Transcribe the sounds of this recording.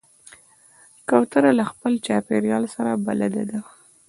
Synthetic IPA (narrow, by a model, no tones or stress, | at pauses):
kawt̪əɾalaxpəlt͡ʃɑpeɾjɑlsaɾaba̰lad̪ad̪a